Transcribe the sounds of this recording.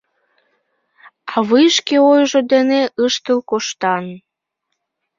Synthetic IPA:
ɑβɨʃkeojʒod̪eneʔəʃt̪əlkoʃt̪ɑn

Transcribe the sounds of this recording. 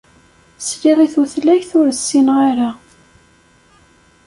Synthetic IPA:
sliðˤiθuθlæçθʊɾəsːinʁaɾa

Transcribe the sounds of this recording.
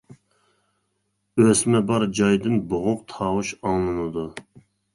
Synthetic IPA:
øsmɛbɑɾd͡ʒɑjd̪ɨnboʁʊq̚t̪ʰɑːwuʃɑŋlˠɨnɨd̪u

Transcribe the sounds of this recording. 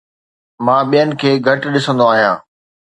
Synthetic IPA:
mãːɓijənɪ̆kʰeːɡʱɐʈɗɪsə̃nd̪oaːɦijãː

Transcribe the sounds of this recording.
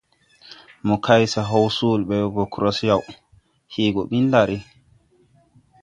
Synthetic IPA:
mɔkʰajsaɦawsulɓɛbɔkɾɔsjaw | hiːɡɔɓindaɾi

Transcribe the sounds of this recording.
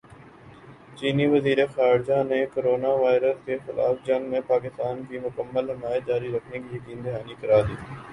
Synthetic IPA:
t͡ʃiːniʋəziːɾexaːɾd͡ʒaːneːkoɾoːnaːʋaːɪɾəskexɪlʔa̰ːfd͡ʒə̃ŋɡmẽpaːk̬ɪst̪aːnkiːmʊkəmːəlɦɪmaːj̪̚d͡ʒaːɾiɾəkʰnikiəkiːnd̪ɪɦaːnikəɾaːd̪iː

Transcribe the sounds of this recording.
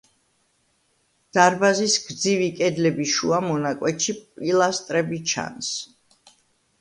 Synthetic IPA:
d̪̥aɾbazisɡ̥d̪zivikʼɛd̪lɛbiʃuamɔnakʼwɛt̪ʃipʼilˠast̪ʼɾɛbit͡ʃʰa̰ns

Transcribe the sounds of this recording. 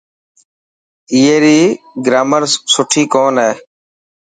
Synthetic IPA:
iːeːɾiː | ɡɾaːməɾsʊʈʰiːkoːnɦɛː

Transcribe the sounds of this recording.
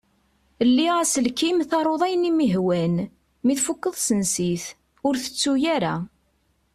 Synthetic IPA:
əlːiʁæsəlkimθɑɾˤoðˤæjənimiɦwæn | miθfukːəðˤsənsiθ | ʊɾθə̥t͡sːujaɾa̰

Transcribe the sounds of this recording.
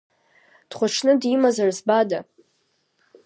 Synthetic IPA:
d̥χʷaʈ͡ʂʰnɨdimazarzbada

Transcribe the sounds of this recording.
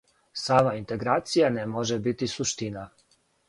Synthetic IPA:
saːmaint̪e̞ɡɾaːt̪sijanemoʒebit̪isuʃt̪ina

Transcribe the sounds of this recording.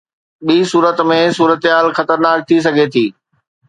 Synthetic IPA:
ɓiːsuːɾət̪mẽsuːɾət̪ɦaːlxɐt̪əɾnaːk̚t̪ʰis̬ɐɡʱet̪ʰiː

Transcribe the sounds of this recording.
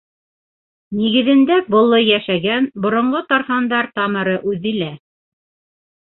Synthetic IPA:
niɡɘ̆ðɘ̆nd̪æbŏlˠːɤjæʃæɡænbŏɾŏɴɢot̪ɑɾχɑnd̪ɑɾt̪ɑmɤ̆ɾɤʔʉðilæ

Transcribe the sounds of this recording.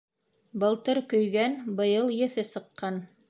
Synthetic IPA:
bɤ̆lˠt̪ɤɾkɵ̆jɡænbɤ̆jɤlˠjɘ̆θɘsɤ̆qːɑn

